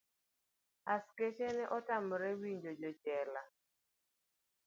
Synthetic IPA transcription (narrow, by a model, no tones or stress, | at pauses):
asket͡ʃenɛʔɔtamɔɾɛwiɲd͡ʒod͡ʒɔd͡ʒɛla